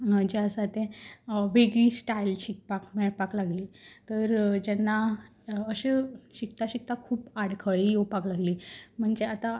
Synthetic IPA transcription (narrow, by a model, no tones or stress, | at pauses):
d͡ʑeəsat̪ẽʋeɡɭisʈajlɕik̚pakmɛɭpaklaɡliːt̪əɾd͡ʑɛnːa | əɕeɕikt̪aɕik̚t̪akʰuːpaɽkʰəɭijopaklaɡliːm̤əɳd͡zeat̪a